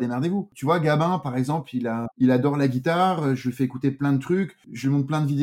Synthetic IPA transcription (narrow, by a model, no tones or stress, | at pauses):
d̪emaʁd̪evut̪yvwaɡabɛ̃paʁɛɡzɑ̃plilailad̪ɔʁlaɡʲit̪aʁøʒəfɛekut̪eplɛ̃d̪ət̪χykʒəlɥimɔ̃t̪̚plɛ̃d̪əvid̪e